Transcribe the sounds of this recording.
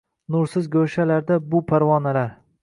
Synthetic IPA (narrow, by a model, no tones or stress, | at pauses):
nʊɾsɪzɡʲɵʃalaɾd̪abʊpʰaɾvɒnalaɾ